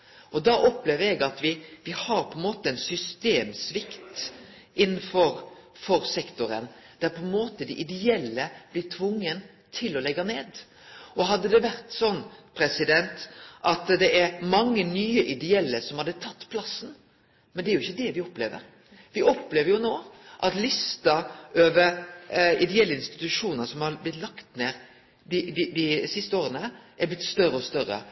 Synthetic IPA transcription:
ɔd̪ɑʔɔpːleːʋɾɛɡɑt̪ʋɪʋɪhɑɾpʰɔɛnmoːt̪əɛnsʏst̪eːmsʋɪkt̪ | ɪnːnfɔɾfɔɾsɛkt̪ʊɾə̰n | d̪̥æɾpʰɔɛnmoːt̪əd̪ɪʔɪd̪ɛɛlːəb̥lɪʈ̪ʰʋʊŋːən | t̪ʰɪlɔlɛɡːɑneːd̪ | ɔɦɑd̪ːəd̪ɛʋæɾt̪sɔnːpʰɾɛsɪd̪ɛnt̪ʔɑt̪d̪ɛʔæɾmɑŋːənyːəʔɪd̪ɛɛlːəsɔmhɑd̪ət̪ʰɑt̪ːpʰlɑsːn | mɛnd̪ɛæɾjʊɪçːəd̪ɛʋɪɔpleːʋə̰ɾ | ʋɪʔɔpːleːʋəɾjʊnoːʔɑt̪lɪst̪ɑʔøːʋəɾɪd̪ɛɛlːəɪnst̪ɪ̥t̪ʉʂuːnəsɔmhɑɾblɪt̪lɑkt̪neːɾ | d̪ɪd̪ɪd̪ɪsɪst̪əoːɾənəʔæblɪt̪st̪œɾəɔst̪œɾə̰

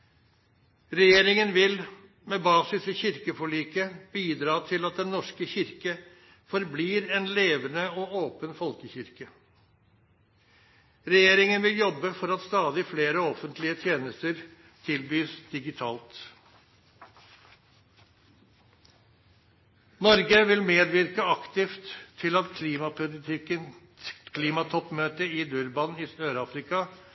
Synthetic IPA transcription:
ɾɛjeːɾɪŋənʋɪl | meːbɑːsɪsɪçɪɾkəfɔɭiːkəb̥iːd̪ɾɑːt̪ʰɪlɑt̪̚d̪ɛnːɔʂkəçɪɾkə | fɔɾbliːɾɛnleːʋənəɔoːpənfɔlkəçɪɾkə | ɾɛjeːɾɪŋənʋɪljɔbːəfɔɾɑt̪st̪ɑːd̪ɪfleːɾəɔfənt̪ʰlɪət̪ʰjeːnəst̪əɾ | t̪ʰɪlbyːsd̪̥ɪɡɪt̪ʰɑːlt̪ | nɔɾɡəʋɪlmeːd̪ʋɪɾkəɑkt̪ɪft̪ʰːɪlɑt̪kʰːpʊɪɪkə | kʰliːmɑt̪ʰɔpːmøːt̪əɪd̪ʉɾbɑnɪsøːɾɑːfɾɪkɑ

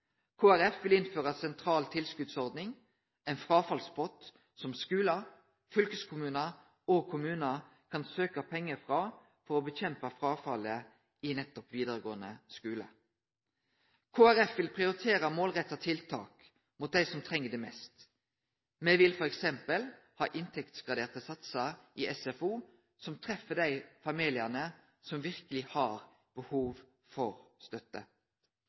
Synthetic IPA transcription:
kʰoːæɾɛfʋɪlɪnføːʁɑsɛnt̪ʰʁɑːlt̪ʰɪlskʉd̪sɔʁd̪nɪŋ | ɛɪnfʁɑːfɑlspɔt̪ | sɔmskʉːlə | fœlkəskʰʊmʉːnə | oɡ̚kʰʊmʉːnə | kʰɑnsøːkɑpʰɛŋːəfʁɑ | fɔɾɔbəçɛmpəfʁɑːfɑlə | ɪnɛt̪ːɔpʋiːd̪əʁəɡo̰ːənə̰skʉːlə̰ | kʰoːæɾɛfʋɪlpʰʁɪʊɾɪt̪ʰeːɾəmoːlʁɛt̪ːɑt̪ʰɪlt̪ʰɑ̰ːk | mʊt̪̚d̪æɪsɔmt̪ʰʁɛŋːəd̪ɛmɛst̪ | mɛʋɪlfɔɾɛksɛmpəlhɑ̰ːʔɪnt̪ʰɛkt̪sɡʁɑd̪eːʁt̪əsɑt̪səɾʔɪɛsɛfuː | sɔmt̪ʰʁɛfːəd̪æɪfɑmiːlɪənə | sɔmʋɪʁkəlɪhɑʁ | b̥əhuːʋ | fɔʁst̪œt̪ːə

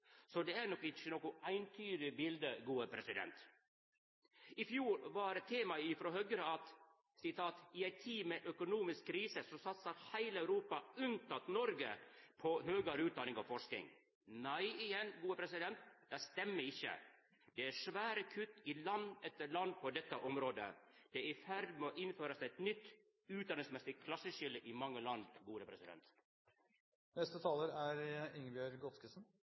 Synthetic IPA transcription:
sɔd̪ɛæɾɳɔkːɪçənoːkʊʔæɪnt̪ʰyːɾɪbɪld̪əɡuːəpʰɾɛsɪd̪ɛ̰nt̪ | ɪfjuːɾʋɑɾɛt̪ʰːeːmɑɪfɾɔɦœɡɾəɑt̪ | sɪt̪ʰɑːt̪ɪæɪt̪ʰiːmɛʔœkʊnuːmɪskkʰːɾiːsəsɔsɑt̪səɾhæɪləæʉɾuːpɑʉnt̪ɑt̪nɔɾɡə̰pʰɔɦøːɡəɾʉːt̪̚d̪ɑnɪŋɑ̰ʋfɔʂknɪ̰ŋ | næɪɪjɛnɡuːəpʰɾɛsɪd̪ɛnt̪d̪æɪst̪ɛmːəɾɪçːə̰ | d̪̥ɛæʂʋæːɾəkʰʉt̪ːɪlɑnɛt̪ːəɭɑnd̪̚pʰɔd̪ɛt̪ːəʔɔmɾoːd̪ə̰d̪̥ɛɪfæɾd̪moʔɪnføːɾəsæɛt̪nʏt̪ː | ʉːt̪̚d̪ɑnɪsmɛsɪkʰlɑsːəʂɪləʔɪmɑŋːəlɑnd̪ɡuːɾəpʰɾɛsɪd̪ɛ̰nt̪ | nɛst̪ət̪ʰɑːləɾæɾɪŋbjøɾɡɔt̪skəsn̩

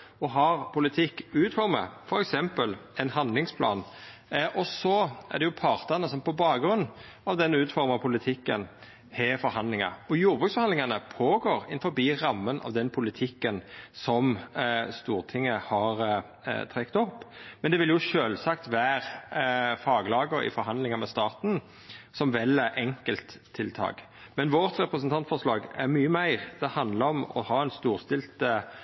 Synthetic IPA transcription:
ɔɦɑɾpʊlɪt̪ʰɪkːʉːt̪fɔɾmə̰fɔɾɛksɛmpəlɛnhɑnd̪lɪŋspʰlɑ̰ːn | ʔɔsɔæ̰ʁd̪ɛjʊpʰɑɾt̪ənəsɔmpɔbɑːɡɾʉnː | ɑʋd̪ɛnʉːt̪fɔɾmɑpʰʊlɪt̪ʰɪkːən | hɛfɔɾhɑnd̪lɪŋɑ̰ɔjuːɾbʉksfɔɾhɑnlɪŋɑnəpʰoːɡoːɾɪnfɔɾbiːɾɑmːənʔɑ̰ʋd̪ɛnpʰʊlɪt̪ʰɪkːənsɔmst̪uːʁt̪ʰɪŋːəhɑɾ | t̪ʰɾɛkt̪ɔpːmɛnd̪ɛʋɪljʊʃøːlsɑkt̪ʋæːɾ | fɑːɡlɑːɡəɾɪ̰fɔɾɦɑnd̪lɪŋɑmɛst̪ɑːt̪n | sɔmʋɛlːɛʔɛŋkəlt̪ʰːɪlt̪ʰɑ̰ːɡ | mɛnʋɔʁt̪ɾɛpɾəsənt̪ʰɑnt̪fɔɾʂlɑːɡɛɾmyːəmæɪɾd̪ɛhɑnd̪ləɾɔmɔ̰hɑːɛnst̪uːɾst̪ɪlt̪ə

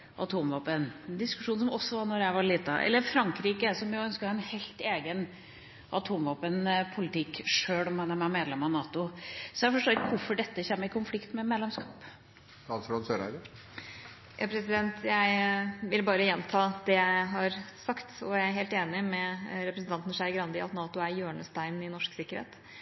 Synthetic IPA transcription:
ʔɑ̰t̪ʰuːmʋɑːpənd̪ɪskʉ̥ʂuːnsɔmɔsːɔʋɑnɔɾjæɪʋɑɭiːt̪ɑ̰ʔɛ̰lːəɾfɾɑŋkɾiːkəɛsɔmjʊœnskəhɑɛnhɛɪlt̪eːɡən | ʔɑt̪ʰuːmʋɑːpənpʰʊlɪt̪ɪkːʂøːɽɔmhɛnːæɾmæmeːd̪lɛmɑnɑːt̪ʊsɔjæfɔʂʈoːɪt̪ʋʊɾfɔɖɛt̪ːəçɛːmːəɪkʊnflɪkt̪mɛmeːd̪lɛmskɑːp | ɑnsɾɑnsøːɾæ̰ɪɾə | jʔɑ̰ːpʰɾɛsɪd̪ɛnt̪ʰjæɪʋɪlbɑːɾəjɛnːt̪ʰɑːd̪̥ɛjæɪɦɑɾsɑkt̪ɔjææɾɦeːlt̪eːnɪmɛɾɛpɾəsn̩t̪ɑnt̪nʂæɾɡɾɑnd̪ɪɑt̪nɑːt̪ʊæɾjøːɳəst̪æɪnɪnɔʂksɪkːəɾhḛːt̪

